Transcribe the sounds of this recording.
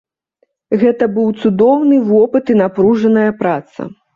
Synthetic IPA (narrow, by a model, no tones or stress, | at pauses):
ɣɛt̪ɐbɨwt̪sud̪ɔwnɨvɔpɨt̪inapɾuʐɐnɐjɐpɾat̪sɐ̰